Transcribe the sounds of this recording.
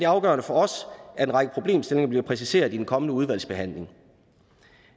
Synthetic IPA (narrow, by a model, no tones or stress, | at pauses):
d̥e̝ɑ̈ʊɡ̥ɶ̰ɐnəfɒ̽ɒ̽sæɐe̝nʁɑ̈ɡ̥əpʰʁo̝b̥le̝̰ːmsd̥e̝lne̝ŋɐb̥liɐpʰʁɛs̬ise̝̰ːɐðˠid̥enkʰɒ̽mənəuð̞ˠʋæl̰sb̥e̝ɦæn̰le̝ŋ